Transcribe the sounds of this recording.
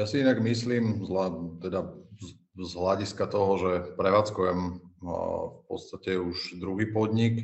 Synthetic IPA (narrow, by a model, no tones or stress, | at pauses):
jasiinaɡmisliːmzlat̪ɛd̪a | zɦlaɟiskat̪ɔɦɔʒɛpɾɛʋaːt͡skujɛm | fpɔ̰t̪st̪acɛuʒd̪ɾuɦiːpɔd̪ɲik